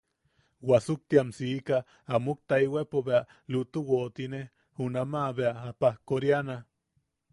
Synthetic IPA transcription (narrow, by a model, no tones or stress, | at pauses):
wasuk̚t̪iamsiːkaː | muk̚t̪aiwepoβea | lut̪uwot̪ine | hunamaβeaːpahkoɾjana